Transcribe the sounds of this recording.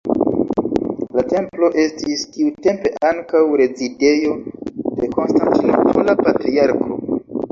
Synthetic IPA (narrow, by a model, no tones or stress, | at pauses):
late̞mplo̞ʔe̞stiskiute̞mpe̞ʔaŋkawɾe̞zide̞jo̞de̞ko̞nstantino̰pʰolapatɾiaɾkʰo̞̰